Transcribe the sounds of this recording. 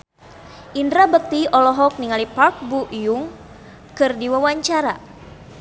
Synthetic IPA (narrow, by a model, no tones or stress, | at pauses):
ʔindɾabək̚t̪iɔlɔɦɔk̚niŋalipark̚buʔjuŋ | kɨrdiwawaɲt͡ʃaɾa